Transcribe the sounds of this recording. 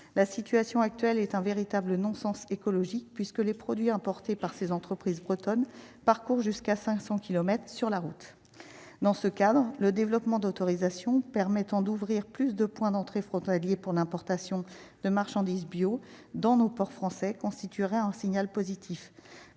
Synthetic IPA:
lasit̪yasjɔ̃ak̚t̪ɥɛlɛt̪ɛ̃veʁit̪ablənɔ̃sɑ̃sekɔlɔʒik̚pɥiskəlepχɔd̪ɥiɛ̃pɔʁt̪epaʁsezɑ̃t̪χəpχizbʁət̪ɔn | paʁkuʁʒyskasɛ̃ksɑ̃kʲilɔmɛt̪χəsyʁlaʁut̪ | d̪ɑ̃səkad̪ʁləd̪evlɔpmɑ̃d̪ot̪ɔʁizasjɔ̃pɛʁmɛt̪ɑ̃d̪uvʁiʁplysd̪əpwɛ̃d̪ɑ̃t̪χefχɔ̃t̪aljepuʁlɛ̃pɔʁt̪asjɔ̃ | d̪̥əmaʁʃɑ̃d̪izbjo | d̪ɑ̃nopɔʁfχɑ̃sɛkɔ̃st̪it̪iʁɛɛ̃siɲalpozit̪ʰif

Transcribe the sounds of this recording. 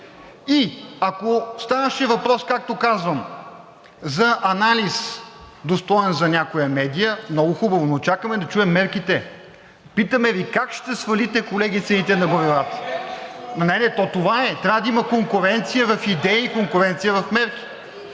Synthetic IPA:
iɐkost̪anəʃɛvɐpɾɔskak̚t̪okazvəm | zɐʔɐnalis | d̪ost̪ɔɛnzɐnʲakojəmɛd̪ijəmnɔɡʊxubəvonot͡ʃakəmɛd̪ɐt͡ʃuɛmːɛɾkit̪ɛ | pit̪əmɛvikakʃt̪ɛsvɐlit̪ɛkolɛɡʲit̪sɛnit̪ɛnɐɡoɾivat̪ə̥ | nɐnɛnɛt̪ɔt̪ovaɛt̪ɾʲabəd̪ɐimɐkoŋkʊɾɛnt̪sijəvɐfid̪ɛjiikoŋkʊɾɛnt̪sijəvɐfmɛɾk̟i̥

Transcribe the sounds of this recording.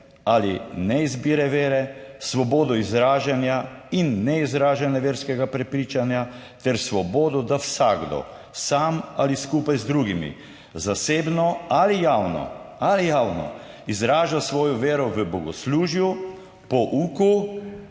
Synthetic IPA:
alinɛizbiɾɛʋeːɾɛsʋɔboːd̪ɔizɾaːʒanjainːɛizɾaːʒanjɛʋeːɾskɛɡapɾɛpɾiːt͡ʃanjat̪ɛɾsʋɔboːd̪ɔd̪awsaɡd̪ɔ̰ | samaliskuːpajzd̪ɾuɡimḭ | zaseːbnɔalijaːwnɔ̰alijaːwnɔ̰ | izɾaːʒasʋɔːjɔʋeːɾɔʋəbɔɡɔsluːʒju | pɔʔuːku

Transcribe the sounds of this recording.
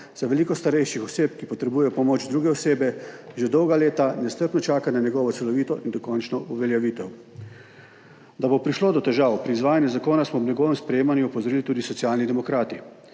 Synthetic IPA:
z̥aʋɛliːkɔst̪aɾɛjʃixɔseːpkipɔt̪ɾɛbuːjɛjɔpɔmoːd͡ʒd̪ɾuːɡɛɔseːbɛʒed̪ɔwɡaleːt̪anɛst̪əɾt̪nɔt͡ʃaːkanaɲɛɡɔːʋɔt̪sɛlɔʋiːt̪ɔʔind̪ɔkɔnt͡ʃnɔuʋɛljaʋiːt̪ɛw | d̪abopɾiʃloːd̪ɔt̪ɛʒawpɾiːzʋaːjanjuzakoːnasmɔbnʲɛɡɔːʋɛmspɾɛjeːmanjuɔpɔzɔɾiːlit̪uːd̪isɔt̪sjaːlnid̪ɛmɔkɾaːt̪i

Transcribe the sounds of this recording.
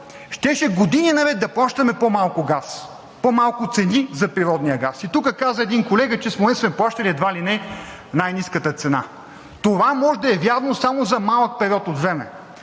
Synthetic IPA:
ʃt̪ɛʃɛɡod̪ininɐvɛt̪̚d̪ɐplˠaʃt̪ɐmɛpomalˠkʊɡas | pomalˠkʊt̪sɛnizɐpɾiɾɔd̪nijəɡasit̪ukəkazəɛd̪inkolɛɡət͡ʃɛsmoɛsmɛplˠaʃt̪ɐlʲiɛd̪valinɛ | najniskət̪ət̪sɛna̰ | t̪ovamɔʒd̪ɐɛvʲjaɾvnosamozɐmalˠək̚pɛɾʲjɔt̪ot̪vɾɛmɛ̰

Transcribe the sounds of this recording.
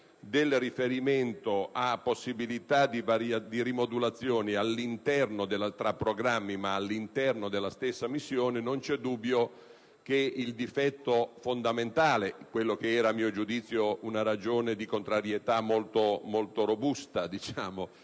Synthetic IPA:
d̪elrifeɾiment̪oʔapːosːibilit̪ad̪ivaɾjad̪iɾimod̪ulat̪sːjoːnialːint̪ɛrnod̪elat̪ɾapːɾoɡɾamːimaːlːint̪ɛrnod̪elːast̪esːamisːjoːnenont͡ʃɛd̪ubːjo | k̟eild̪ifɛt̪ːofond̪ament̪aːlekwelːokeɛːɾamːiːod͡ʒud̪it̪sːjounaɾad͡ʒoːned̪ikont̪ɾaɾjet̪amːolt̪omolt̪oɾobust̪ad̪it͡ʃaːmo

